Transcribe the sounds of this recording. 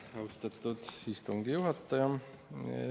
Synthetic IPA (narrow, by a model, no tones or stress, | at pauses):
ɑwst̪ɑt̪ːˑud̪ist̪uŋɡ̥ijuɦɑt̪ːɑjɑ̰